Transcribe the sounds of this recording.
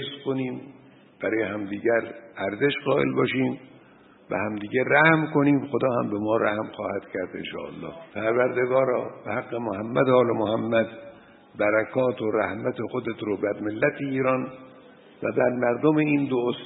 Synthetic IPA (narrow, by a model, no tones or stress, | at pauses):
eskʰoniːm | b̥æɾɒːjehæmd̪iːɟæɾæɾzeʃɢɒːʔḛlbɒːʃiːm | væ̰hæmd̪iːɡeræhmkoniːmxod̪ɒːhæmbemɒːɾæhmxɒːhæd̪̥cʰæɾd̪ḛnʃɒ̰ːʔæ̰lːɒ̰ːhpʰæɾvæɾd̪eɡɒːɾɒːb̥ehæɡːemohæmːæd̪ɒːlemohæmːæd̪ | bæɾækʰɒːt̪ʰoɾæ̰hmæt̪ʰexod̪et̪ʰɾobæɾmelːæt̪ʰeiːɾɒːn | væ̰bæɾmæɾd̪omeiːnd̪oos